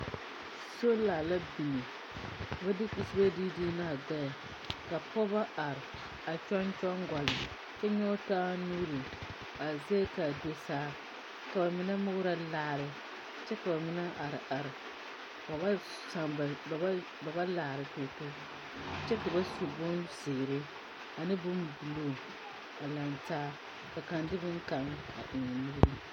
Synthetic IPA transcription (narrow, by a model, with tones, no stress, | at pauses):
so˦laː˨la˦bi˨ni˨ | ba˦dɪ˦ki˨sɨ˦ba˦di˦diː˦na˦˨ɡa˦ja˨ | ka˨pɔ˦ba˦a˨ɾɪ˨ | a˨t͡ʃɔ˦nt͡ʃɔ˦ŋɡʷa˨lɨ˨ | t͡ʃɛ˦ɲɔ˦taː˦nuː˦ɾɨ˨ | a˨za˦ka˨de˦saː˦ | ka˨ba˨mɪ˦nɛ˦mʊ˦ɣɾa˦laː˦˨ɾɨ˨ | t͡ʃɛ˦ka˨ba˨mɪ˦na˦ʔa˨ɾɪ˨ʔa˨ɾɨ˨ | ba˨ba˦ | sa˨ŋ˨˦ | ba˨ba˦laː˨ɾɨ˨to˦to˦ | t͡ʃɛ˦tɨ˨ba˦su˨bʊ˦nsɪ˨ɾɪ˦ | a˨nɨ˦bʊ˦mbu˨lo˦˨ | a˨la˨ntaː˦ | ka˨ka˨ndɪ˦bɨ˦ŋ˦ka˨ŋ | a̰˨ʔɪ˨ŋ˨nu˦ɾɨ˦